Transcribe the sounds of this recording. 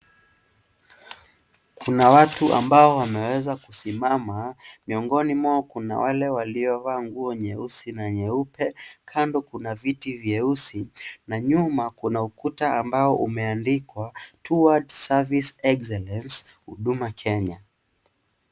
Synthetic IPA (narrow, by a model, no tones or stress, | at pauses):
kʰunawatuʔa̰mbaɔwamɛwɛzakusimamamiɔŋɡɔnimwaːkuna̰wʔalɛwaliɔvaːŋɡuɔɲɛusinaɲɛupɛkʰandɔkunavitivjɛusinaɲumakunaukutaambaɔʔumɛandikwatʰuwadsavisɛksɛlɛns | hṵɗumakʰɛɲa